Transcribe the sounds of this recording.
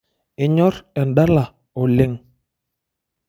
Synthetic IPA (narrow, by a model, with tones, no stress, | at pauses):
ɪ˦ɲɔ˦ɾɛ˨nda˦la˨ | o˨lɪ˦ŋ